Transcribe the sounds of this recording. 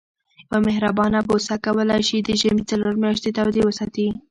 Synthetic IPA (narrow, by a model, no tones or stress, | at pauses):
jawamɪɦɾabɑnabosakawəlajʃid̪əʒamit͡saloɾmjɑʃt̪et̪awd̪ewəsɑt̪i